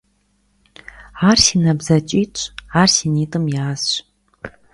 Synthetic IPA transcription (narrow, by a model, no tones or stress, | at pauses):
aːrsinɐbzɐt͡ʃʼiːt͡ʃʷʼaːrsiniːtʼɨmjaːsɕ